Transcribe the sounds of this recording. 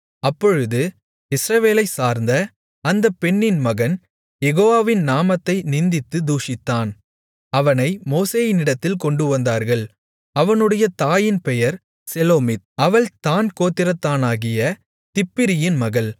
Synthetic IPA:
ɐpːɔɻɯðɯ | ɪsɾɐʋeːlɐɪsaːɾnd̪ɐ | ɐnd̪ɐpːɛnːɪnmɐɣɐn | jɛɣoːʋaːʋɪnnaːmɐt̪ːɐɪnɪnd̪ɪt̪ːɯd̪uːʂɪt̪ːaːn | ɐʋɐnɐɪmoːseːjɪnɪɽɐt̪ːɪlkɔɳɖɯʋɐnd̪aːɾɣɐɭ | ɐʋɐnɯɽɐjɐt̪aːjɪnpɛjɐɾ | sɛloːmɪt̪̚ɐʋɐɭt̪aːnkoːt̪ːɪɾɐt̪ːaːnaːɣɪjɐ | t̪ɪpːɪɾɪjɪnmɐɣɐɭ

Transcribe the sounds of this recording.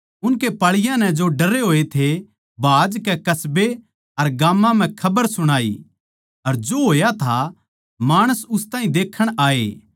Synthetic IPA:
ʊnkepaːɭɪjãnɛd͡ʒoɖɐɾeɦoːet̪ʰe | bʱaːd͡ʒkɛkɐsbe | ɐɾɡaːmːãm̤ɛ̃kʰɐbəɾsʊɽ̃aːḭ | ɐɾd͡ʒoɦoːjat̪ʰa | maːɽ̃əsʊst̪ãːɦĩd̪eːkʰːəɽ̃aːḛː

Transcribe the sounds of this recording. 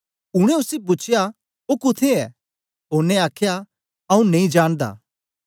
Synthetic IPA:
ʊɽ̃ɛ̃ʊsip̬ʊt͡ʃʰɪja | ɦokʊt̪ʰeɛ | ɦoːɾnɛaːkʰja | ɐũneĩd͡ʒaːɽ̃d̪a̰ː

